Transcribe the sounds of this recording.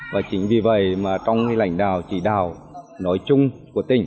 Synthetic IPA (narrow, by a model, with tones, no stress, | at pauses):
vaː˨˩t͡ɕï˨˦ŋ̟vi˨˩və̰˧˨jmaː˨˩t͡ɕɔ˧wŋ͡mkla̰˧˨jŋ̟ɗaː˨˩wt͡ɕi˧˩ɗaː˨˩w | nɔ˨˦jt͡ɕʊ˧ŋ͡mku˧˩ət̪ï˧˩ŋ̟